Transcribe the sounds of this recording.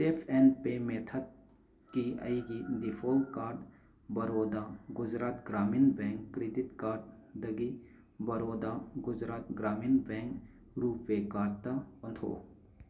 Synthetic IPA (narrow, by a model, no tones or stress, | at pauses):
seːpʰɛːnpemeːt̪ʰət̪̚ | kiə̰iɡid̪ifʰoːl̚kaːɾɖ | bɐɾoːd̪aɡʊd͡ʒɾaːt̪ɡɾaːmiːnbɛ̃ːŋkːɾɪd̪ɪt̪kaːɾɖ | d̪ɐɡi | bɐɾoːd̪aɡʊd͡ʒɾaːt̪ɡɾaːmiːnbɛ̃ːŋk | ɾuːpːekaːʈt̪aɐnt̪ʰo̰ː